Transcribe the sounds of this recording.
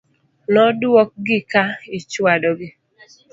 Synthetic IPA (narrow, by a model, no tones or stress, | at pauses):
nɔdɔk̚ɡɪkaɪt͡ʃwadɔɡɪ